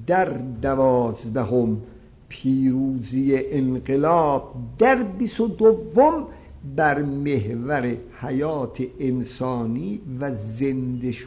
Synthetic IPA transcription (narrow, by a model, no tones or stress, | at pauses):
d̪̥æɾd̪ævɒːzd̪æɦom | pʰiːɾuːzijeʔenɢelɒːb̥̚d̪æɾbist̪od̪ovːom | bæɾmehvæɾehæjɒːt̪ʰeensɒːniːvæzend̪eʃ